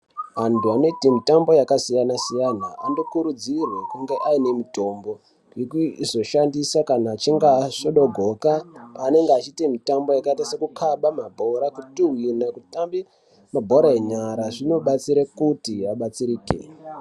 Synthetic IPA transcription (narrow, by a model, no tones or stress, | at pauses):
ʋantʰuano̞itimitambo̞jakasijanasijanaando̞kuɾud͡zirwe̞kuŋɡe̞ʔaine̞mito̞mbo̞ | ikuizo̞ʃandisakanaːt͡ʃiŋɡaʂoɗo̞ɡʱo̞kaane̞ŋɡeat͡ʃitimitambo̞jakaitasekukʰaɓamabʱo̞ɾakutiwinakutambi | mabʱo̞ɾaeɲaɾaʐino̞ɓat͡siɾekutiaɓat͡siɾiːkḛ